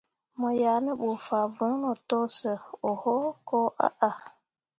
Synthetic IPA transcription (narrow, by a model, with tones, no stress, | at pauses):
mɔ˨ja˨nə˦ɓu˨fa˨vu˨˦no˨tɔ˦sə˨o˨hɔ˦ko˦ʔa̰˦ʔa˨